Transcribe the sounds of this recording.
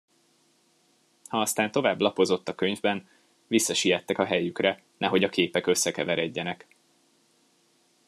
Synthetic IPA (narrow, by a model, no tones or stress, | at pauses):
hɒɒst̪aːnt̪o̞vaːblɒpo̞zo̞t̪ːɒkøɲvbɛn | visːɒʃijɛt̪ːɛkɒɦɛjykrɛ | nɛɦo̞ɟɒkeːpɛkø̞sːɛkɛvɛɾɛɟːɛnɛk